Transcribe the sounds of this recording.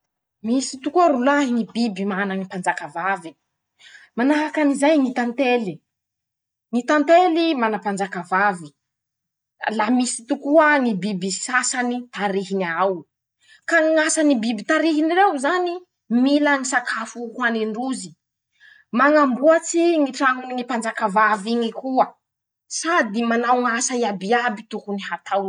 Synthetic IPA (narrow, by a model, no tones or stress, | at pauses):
misi̥t̪ukuaɾulaɦinibibimananipand͡ʒakavavi | manaɦakanizajŋit̪ant̪eli | ŋit̪ant̪elimanapand͡ʒakavavi | lamisi̥t̪ukuanibibisasanit̪aɾiɦiniaw | kaŋasanibibit̪aɾiɦinirewzani | milaŋisakʰafukaneɳɖ͡ʐuzi | maŋambuat͡siŋiʈ͡ʂaŋuninipand͡ʒakavaviɲikuə | sad̪imanawŋasaiabiabit̪ukunihat̪aw